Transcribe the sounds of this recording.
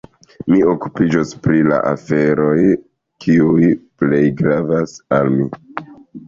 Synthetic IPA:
mio̞ku̥pid͡ʒospɾila̰ʔafe̞ɾo̞j | kʰiujple̞jɡɾavasalmi

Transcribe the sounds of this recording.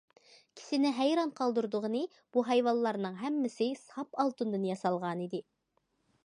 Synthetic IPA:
kʲʰi̥sɪnɪɦæjɾɑnqʰɑlˠd̪uɾd̪ʊʁənɨ | b̥uɦɛjwɑlˠːɑɾnɨŋɦɛmːɪsɪsɑpɑlˠt̪ɨnd̪ɨnjɑsɑlˠʁɑnid̪ɪ

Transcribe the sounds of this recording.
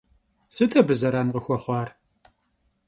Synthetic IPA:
sɨtʰɐbɨzɐɾɐnʁəxʷɔχʷɑːr

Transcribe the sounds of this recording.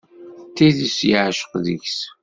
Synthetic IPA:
t̪ːiðəsjəʕʃə̥qðəçs

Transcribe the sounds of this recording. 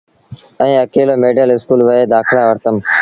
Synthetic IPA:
ɛ̃ːəkeːloːmeːɖəlɪskuːlʋəɦeːd̪aːkʰɽaːʋəɾt̪əm

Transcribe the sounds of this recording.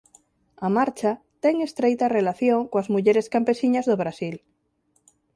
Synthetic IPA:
amaɾt͡ʃa | t̪eŋe̞st̪ɾejt̪arelaθjoŋkoazmuʎeɾeskampe̞siɲazðoβ̞ɾasil

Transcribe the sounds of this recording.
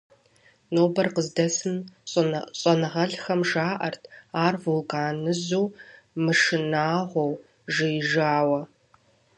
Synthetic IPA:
noːbɐrqəzdɐsɨnʼ | ɕʼɐnɐʁɐɮxɐmʒaːʔɐrtʰaːrvulkʼaːnɨzuː | mɨʂɨnaːʁʷɔw | ʒɨjʒaːwɐ

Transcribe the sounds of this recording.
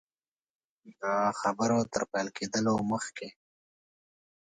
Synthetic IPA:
d̪axabəɾot̪əɾpajlked̪əloməxke

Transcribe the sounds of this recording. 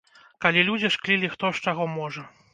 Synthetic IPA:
kalʲilʲud͡zʲiʂklʲilʲixt̪ɔʂt͡ʂaɣɔmɔʐɐ

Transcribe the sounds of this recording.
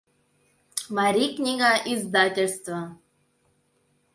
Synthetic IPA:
maɾiknʲiŋɡaʔizd̪at̪ʲəɾst̪a

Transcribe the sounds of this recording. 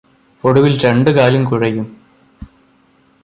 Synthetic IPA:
poɽuʋilɾeɳɖɨkaːlumkuɻɐjum

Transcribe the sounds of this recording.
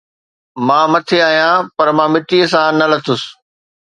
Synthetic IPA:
mãːmɐt̪ʰeaːɦijãːpɐɾmãːmɪt̪iːəsãnɐlɐt̪ʰʊs

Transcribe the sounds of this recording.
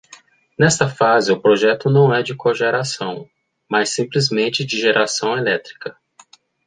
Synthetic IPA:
nɛst̪ɐfazɪʊpɾoʒɛt̪ʊnɐ̃w̃ɛd͡ʒɪkoʒeɾasɐ̃w̃ | masːĩmplizmẽnt͡ʃɪd͡ʒɪʒeɾʔasɐ̃w̃elɛt̪ɾi̥kɐ

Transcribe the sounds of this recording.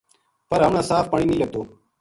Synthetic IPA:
pəɾɦəmnãːsaːfpəɳĩːnĩːlət̪oː

